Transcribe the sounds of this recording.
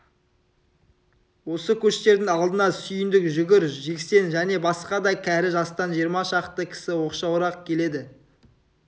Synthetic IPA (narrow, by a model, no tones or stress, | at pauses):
wo̞səkʲʰɵʃt̪e̞ɾd̪ɪŋɑlˠd̪ənɑsʏjɪnd̪ɪkʒʏɡʲɪɾʒe̞kse̞nʒæne̞bɑsqɑd̪ɑjkʲʰæɾɪʒɑst̪ɑnʒijəɾmɑʃɑqt̪əkʲʰɪ̥sɪwo̞qʃɑwɾɑqkʲʰele̞d̪ɪ